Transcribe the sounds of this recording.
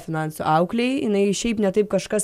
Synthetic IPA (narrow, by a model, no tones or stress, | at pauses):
fʲɪnɑˑnsṵʔɐʊklʲejɪnɐɪʃʲɛɪpnʲɛt̪ɐɪp̚kɐʃkɐs